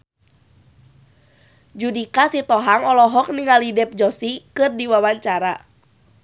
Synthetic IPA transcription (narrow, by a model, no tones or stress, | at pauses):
d͡ʒudikasit̪ɔɦaŋɔlɔɦɔk̚niŋalidɛp̚d͡ʒɔsikɨrdiwawaɲt͡ʃaɾa